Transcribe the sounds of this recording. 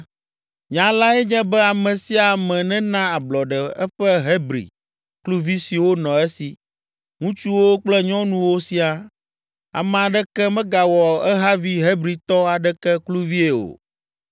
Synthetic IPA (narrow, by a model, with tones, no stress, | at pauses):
ɲã˨la˦ɛ˦ɲɛ̃˦bɛ˦a˨mɛ̃˨si˦a˨mɛ̃˨nɛ̃˦nã˦a˨blɔ˨ɖɛ˨ɛ˦ɸɛ˦ɦe˦bɾḭ˨ | klu˦vi˦si˨wo˦nɔ̃˨ɛ˦si˨ | ŋũ˦t͡ʃu˦wo˦k͡plɛ˦ɲɔ̃˦nũ˦wo˦si˦a˨ | a̰˨mɛ̃˨a˨ɖɛ˦kɛ˦mɛ̃˦ɡa˨wɔ˨ɛ˦ɦa˦vi˦ɦe˦bɾi˨t̪ɔ˦a˨ɖɛ˦kɛ˦klu˦vi˦e˨o̰˨